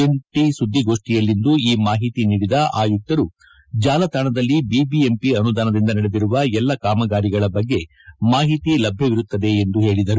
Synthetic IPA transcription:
eɳʈisud̪ʱːiɡo̞ːʂʈijɐlːind̪uiːmaːɦit̪iniːɽid̪ɐʔaːjut̪ːɐɾu | d͡ʒaːlɐt̪ʰaːɳɐd̪ɐlːibibie̞mpiɐnud̪aːnɐd̪ind̪ɐnɐɽed̪iɾuʋɐɛlːɐkaːmɐɡaːɾiɡɐɭɐbɐɡːe̞ | maːɦit̪ilɐbʱjɐʋiɾut̪ːɐd̪e̞ːnd̪uɦe̞ːɭid̪ɐɾu

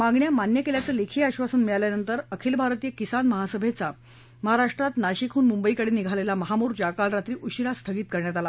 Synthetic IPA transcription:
maɡɳjamanjəkeljat͡səlekʰiːaɕʋasəːnmiɭaljanənt̪əɾəkʰiːlbʱaɾt̪ijəkisanməɦasəbʱet͡sa | məɦaɾaʂʈɾat̪naɕikʰuːnmumbəikəɽeːniɡʱalelaməɦamuːɾd͡ʑakalɾat̪ɾiːʔuɕiɾast̪ʰəɡiːt̪̚kəɾɳjat̪ala

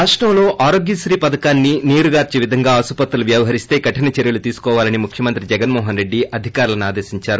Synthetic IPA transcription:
ɾaːʂʈɾɐmlo̞ːʔaːɾo̞ːɡjɐsɾiːpɐd̪ɐkaːnːiniːɾuɡaːɾt͡ʃiʋid̪ʱɐŋɡaːɐsupɐt̪ːɐluʋjɐːʋɐɦɐɾist̪e̞ːɡɐʈɐnɐt͡ʃeɾjɐlut̪iːsu̥kɔːʋaːlɐnimukʰjɐmɐnt̪ɾid͡ʒɛɡɐnmɔːɦɐnɾe̞ɖːiɐd̪ʱikaːɾulɐnuaːd̪e̞ːsiɲt͡ʃaːɾu

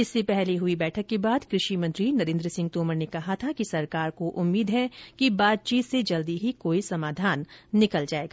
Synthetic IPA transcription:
ɪsːepɛɦleɦʊibɛːʈʰəkːebaːd̪kɾɪʃimɐ̃nt̪ɾinɐɾẽːnd̪ɾəsɪ̃ŋɡ̚t̪oːməɾnekɐɦat̪ʰakisɐɾkaːɾkoʔʊmːiːd̪ɦɛkibaːt̪̚t͡ʃiːt̪sed͡ʒɐld̪iɦikoːisɐmaːd̪ʱaːnːɪkəld͡ʒaːeːɡaː

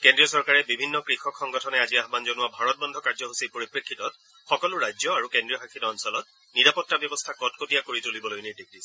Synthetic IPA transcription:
kendɹiɔsɔɹkaɹɛbibʱinːɔkɹixɔkʰːɔŋɡɔtʰɔnɛaziaɦbanzɔnʊwabʱaɹɔt̚bɔndʱɔkaɹd͡ʒɔɦusipoɹipɹekʰːitɔt̚ | xɔkɔlʊɹajzɔaɹukendɹiɔɦakʰitɔːnsɔlɔt̚ | niɹapɔtːabjɔbɔstʰakɔtkotijakoɹitulibɔlojniɹdek̚dis

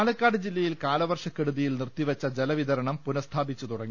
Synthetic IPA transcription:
aːlɐkːaːɖɨd͡ʑilːɐjilkaːlɐʋɐrʂɐkːeɽuðijilnirt̪iʋɐt͡ɕːɐd͡ʑelɐʋiðɐɾɐɳɐmpunɐst̪ʰaːbit͡ɕːut̪uɽɐŋːi

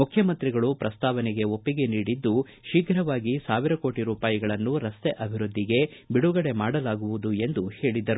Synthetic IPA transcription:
mukʰjɐmɐnt̪ɾiɡɐɭupɾɐst̪aːʋɐnɛɡe̞o̞pːiɡe̞niːɽid̪ːu | ʃikɾɐʋaːɡisaːʋiɾɐko̞ːʈiɾuːpaːjiɡɐɭɐnːuɾɐst̪eʔɐbʱiɾud̪ʱːiɡe̞biɽuɡɐɽe̞maːɽɐlaːɡuʋud̪ue̞nd̪uhe̞ːɭid̪ɐɾu

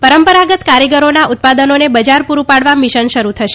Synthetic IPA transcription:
pəɾəmpəɾaɡət̪kaɾjəɡəɾonaʔut̪̚pad̪ənonebəd͡ʒaɾpuɾupaɽʋamiʃənʃəɾut̪ʰəʃe̥

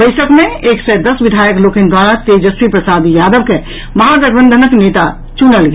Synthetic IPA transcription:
bəɪsəkmẽeksɛd̪əsʋid̪ʱaːjəkloːkend̪waɾat̪ed͡ʒəswipɾəsad̪jaːd̪əbke | mɐɦadəɡʋənd̪ʱənəknet̪a | t͡ʃunəlɡe

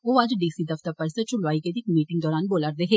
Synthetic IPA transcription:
oːɐd͡ʒɖiːsid̪ɐft̪əɾpɐɾset͡ʃʊlʋaːiked̪ɪkmiːʈɪ̃ŋɡd̪ɔːɾaːnboːləɾd̪eɦeː

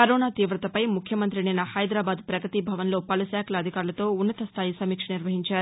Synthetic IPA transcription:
pɐɾoːnaːt̪iːʋɾɐt̪ɐpɐjmukʰjɐmɐnt̪ɾininːɐhɐjd̪ɾaːbaːd̪̚pɾɐɡɾɐt̪ibʱɐʋɐnlo̞ːpɐlusaːkʰɐlɐːd̪ʱikaːɾulɐt̪o̞ːunːɐt̪ɐst̪ʰaːjisɐmiːkʂɐniɾʋɐɦiɲt͡ʃaːɾu

